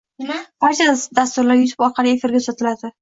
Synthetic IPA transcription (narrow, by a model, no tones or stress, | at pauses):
b̥aɾt͡ʃʰad̪ast̪ʊɾlaɾjʊt̪ʰɪ̥pɒɾqʰɑliefɪɾɡʲasɒt̪ʰɪlad̪ɪ